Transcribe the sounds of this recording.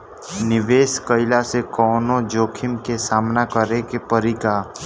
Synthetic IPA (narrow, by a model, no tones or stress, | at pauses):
nɪʋeːskəɪlasekɔːnõd͡ʒoːkʰɪmkesaːmnakəɾekepəɾika